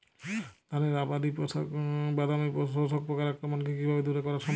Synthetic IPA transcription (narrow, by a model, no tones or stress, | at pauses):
t̪aneɾabad̪ipɔsabad̪amipɔos̬ɔk̚pɾɔkaɾakɾɔmankekibʱabed̪uɾekɔɾaɾʃɔm